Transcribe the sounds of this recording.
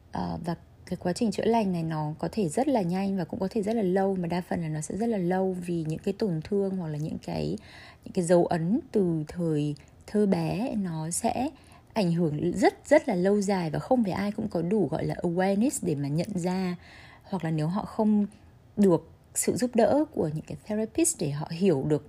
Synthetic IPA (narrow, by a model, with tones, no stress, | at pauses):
ʔəː˨˩vaː˨˩ | kaː˨˦jkwaː˨˦t͡ɕï˨˩ŋ̟t͡ɕɨ̰˧˥əla˨˧˩jŋ̟na˨˩jnɔ˨˦kɔ˨˦t̪ʰe˧˩zə˦˥t̚laː˨˩ɲa˧jŋ̟vaː˨˩kʊ̰˧˥ŋ͡mkɔ˨˦t̪ʰe˧˩zə˦˥t̚laː˨˩lə˧wmaː˨˩ɗaː˧fə̰˨˩nlaː˨˩nɔ˨˦sɛ̰˧˥zə˦˥t̚laː˨˩lə˧wvi˨˩ɲɨ̰˧˥ŋkaː˨˦jt̪o˨˩nt̪ʰɨ˧əŋhwa˨˩k̚laː˨˩ɲɨ̰˧˥ŋka̰ː˨˦jɲɲɨ̰˧˥ŋkaː˨˦jzə˨˦wʔə˨˦nt̪ɨ˨˩t̪ʰəː˨˩j | t̪ʰəː˧ɓɛ˨˦nɔ˨˦sɛ̰˧˥ | ʔa˧˩jŋ̟ɦɨ˧˩əŋzə˦˥t̚z̥ə˦˥t̚laː˨˩lə˧wzaː˨˩jvaː˨˩xə˧wŋ͡mvaː˨˩jʔaː˧jkʊ̰˧˥ŋ͡mkɔ˨˦ɗu˧˩ɣɔ̰˧˨jlaː˨˩ʔə˧wɛ˧ni˦˥sɗe˧˩maː˨˩ɲə̰˧˨nzaː˧ | hwa˨˩k̚laː˨˩ne˨˦wɦɔ̰˧˨xə˧wŋ͡m | ɗɨ˨˩ək̚ | sɨ̰˧˨zu˦˥p̚ɗə̰ː˧˥ku˧˩əɲɨ̰˧˥ŋkaː˨˦jθɛ˧za˧pi˦˥sɗe˧˩ɦɔ̰˧˨ɦi˧˩əwɗɨ˨˩ək̚